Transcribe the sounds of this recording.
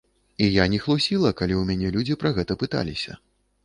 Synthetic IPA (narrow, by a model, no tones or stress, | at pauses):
ijanʲɛxlˠusʲilˠɐkalʲiwmʲanʲɛlʲud͡zʲipɾɐɣɛt̪ɐpɨt̪a̰lʲisʲɐ̰